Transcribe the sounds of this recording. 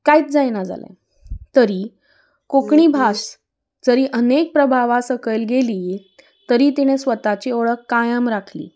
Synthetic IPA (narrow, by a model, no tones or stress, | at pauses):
kajit̪̚d͡zajnad͡za̰la̰ | t̪əɾiː | kokɳiːbʱas | d͡zəɾiːʔənek̚pɾəbʱaʋasəkəjlɡeli | t̪əɾiːt̪iɽ̃esʋət̪at͡ɕioɭəkːajəmɾakʰlḭː